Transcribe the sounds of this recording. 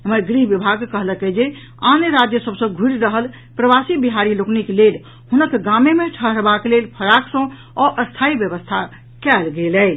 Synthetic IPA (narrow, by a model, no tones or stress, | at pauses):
ɦəməɡɾiɦʋibʱaɡkəɦləkəd͡ʒe | anɾad͡ʒjəsəbsə̃ɡʱuɾɾəɦəl | pɾəbasibiɦaɾilokniklel | hunəkɡamemeʈʰəɦəɾbakelelpʰəɾaksə̃ | ɔʔəst̪ʰaibjəβəst̪ʰa | kɛlɡelɛ